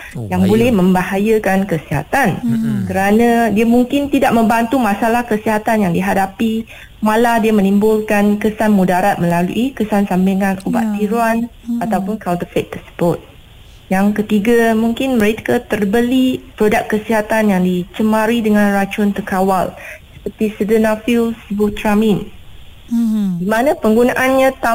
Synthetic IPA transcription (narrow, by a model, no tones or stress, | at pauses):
jaŋbolɛhmə̃mbaɦajəkankəsiɦa̰t̪ankəɾanãdiamuŋkɪnt̪idaʔ̚mə̃mbant̪umãsalahkəsiɦat̪anjaŋdiɦadapi | maladiamə̃nimbʊlkankəsanmudaɾat̪̚mə̃lalṵʔikəsansambiŋanuba̰ʔt̪ːiɾuan | at̪awpʊnkawnt̪əfet̪ːərsə̥bʊt̪̚ | jaŋkət̪iɡamuŋkɪnməɾekat̪ərbəlipɾodak̚kːəsiɦat̪anjaŋdit͡ʃəmaɾidəŋãnrat͡ʃʊnt̪əkawalsə̥pərt̪isədənafilsibut̪ɾamin | dimanãpəŋɡunaʔanɲãt̪a